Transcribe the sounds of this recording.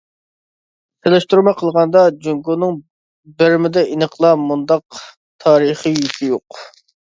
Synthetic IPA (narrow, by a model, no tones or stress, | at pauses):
t̪ʰelˠɪʃt̪uɾmɑqʰəlˠʁɑnd̪ɑd͡ʒyŋɡunɨŋ | bɪɾmɪd̪ɛinəqʰlˠɑmund̪ɑq̚ | t̪ʰɑːɾəχijit̪ʰɪjoq